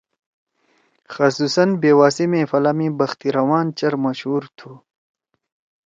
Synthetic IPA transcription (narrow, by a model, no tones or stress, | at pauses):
xɐsuːsɐnbeːwaːsimẽːfɐlamibɐxt̪iɾɐwaːnt͡ɕɐɾmɐɕhuːɾt̪ʰuː